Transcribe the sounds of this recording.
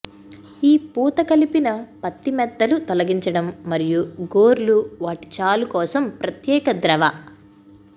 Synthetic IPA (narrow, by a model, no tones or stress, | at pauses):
iːpuːt̪ɐkɐlipinɐpɐt̪ːimɛd̪ːɐlut̪ɔlɐɡiɲt͡ʃɐɽɐmːɐɾijuɡoːɾluʋaːʈi̥t͡ʃaːlukɔːsɐmpɾɐt̪jɛːkɐd̪ɾɐʋɐ